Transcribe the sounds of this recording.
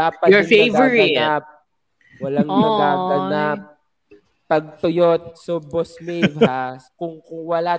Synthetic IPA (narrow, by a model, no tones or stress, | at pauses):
aːpɐjɔevɛɹiɐnap̚ | wɐlaŋmɐɡaːbɐnap̚ | pɐɡ̚t̪ʊjot̪̚sobosmɪvakʊŋkʊŋwɐla